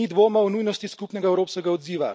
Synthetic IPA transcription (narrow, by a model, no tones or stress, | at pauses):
id̪ʋoːmawnujnɔst̪iskuːpnɛɡaɛwɾoːpskɛɡaɔd̪ziːʋa̰